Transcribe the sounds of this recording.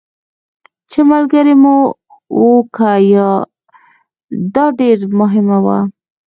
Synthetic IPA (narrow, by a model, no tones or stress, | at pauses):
t͡ʃemalɡaɾemo | wokʰajɑ | d̪ɑɖeɾmʊɦɪmawa̰